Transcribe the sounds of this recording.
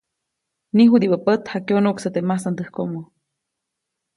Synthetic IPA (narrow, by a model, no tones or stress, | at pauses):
niɦud̪iʔbəpət̪hakeonuʔksət̪emasand̪əhkoʔmo